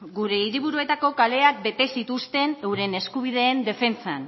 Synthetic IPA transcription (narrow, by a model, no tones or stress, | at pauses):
ɡuɾe̞iɾiβ̞uɾue̞t̪ako̞kale̞ak̚be̞t̪e̞sit̪ust̪e̞newɾe̞ne̞skuβ̞ið̞e̞ːnd̪e̞fe̞nt͡san